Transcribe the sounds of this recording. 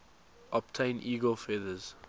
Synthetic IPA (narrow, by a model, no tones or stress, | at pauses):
ʔɔb̚tʰẽɪ̃nʔiːɡəlfɛðəz̥